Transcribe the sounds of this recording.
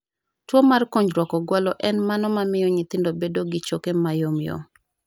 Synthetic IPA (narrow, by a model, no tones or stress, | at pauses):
twomarkoɲd͡ʒɾwɔkɔɡwalɔʔɛnmanɔmamɪjɔɲɪt̪ɪndobedoɡɪt͡ʃokemajomjo̰